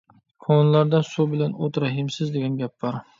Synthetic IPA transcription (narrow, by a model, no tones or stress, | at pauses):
kʰonlˠaɾd̪asubɪlanot̪ɾaɦɪmsɪzd̪eɡʲanɡʲap̚b̥ɒɾ